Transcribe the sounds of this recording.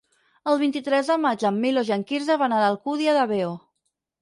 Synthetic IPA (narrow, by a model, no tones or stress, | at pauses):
əlˠβint̪it̪ɾɛzðəmad͡ʒəmːiloʒəŋkiɾzəβanaɾalˠkuðiəðəβeo